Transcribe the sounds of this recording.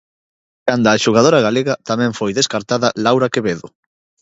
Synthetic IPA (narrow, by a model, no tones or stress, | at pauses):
kand̪aːʃuɣ̞að̞oɾaɣaleɣɐt̪amɛ̃ɱfojðeskaɾt̪aðɐlawɾakeβeðʊ